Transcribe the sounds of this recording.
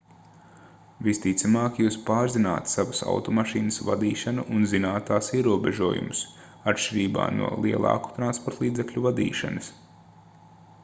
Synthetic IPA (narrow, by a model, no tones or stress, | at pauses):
vist̪it̪samaːkʲijuːspaːɾzina̰ːt̪saʋɐsa̰wt̪ɔmaʃiːnəsva̰d̪iːʃanuʔunzinaːt̪aːsiɛɾuɔbeʒuɔjṵmʊs | at̪ʃt͡ʃʲiɾiːba̰ːnṵɔlˠiɛlˠɑ̰ːku̥t̪ɾanspɔɾt̪lˠiːdzeklʲuvad̪ḭːʃa̰nɐs